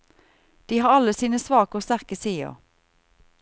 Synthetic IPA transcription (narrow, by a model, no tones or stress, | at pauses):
d̪̥iːhɑːʁɑləsiːnəsʋɑːkoːst̪æʁkəsiːo̰ː